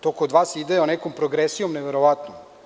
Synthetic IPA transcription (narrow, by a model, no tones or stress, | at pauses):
t̪okood̪ʋaːsid̪eonekompɾoɡɾesijomneʋeɾoʋat̪nom